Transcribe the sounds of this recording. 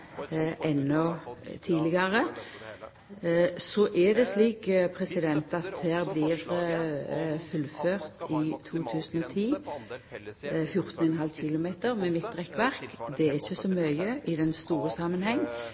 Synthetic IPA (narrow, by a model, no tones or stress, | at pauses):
ʔɛnːɔt̪ʰiːlɪɡɑʁə | sɔʔɛd̪ɛsliːkpʰʁɛsɪd̪ɛnt̪ɑt̪hæːʁblɪʁ | fʉlføːʁt̪ɪt̪ʰuːt̪ʰʉːsənɔt̪ʰiː | fjʊʁt̪nɛnhɑlçɪlʊmeːt̪əʁmɛmɪt̪̚d̪ʁɛkːʋæʁkd̪ɛæɾɪçːəsɔmœʏəʔɪd̪ɛnst̪uːɾəsɑmːənhɛŋː